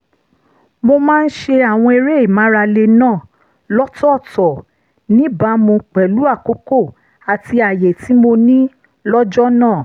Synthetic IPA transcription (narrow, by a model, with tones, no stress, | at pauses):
mo˧mãː˦˧n̩˦ʃe˧a˨w̃ɔ̃˧e˧ɾe˦i˦˨mã˨˦ɾa˧le˧nãː˦˨ | lɔ˦tɔ˦˨tɔ˨ | nĩ˦ba˨˧˦mõ˧k͡pɛ˨lu˨˦a˦˨ko˨˦ko˦˨ | a˨ti˧a˨je˨ti˨˦mo˧nĩ˦ | lɔ˦d͡ʒɔ˦nãː˦˨